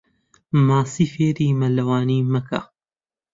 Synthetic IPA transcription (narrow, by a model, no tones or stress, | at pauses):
maːsiːfeːɾiːmɐlɐwaːniːmɐkʰa̰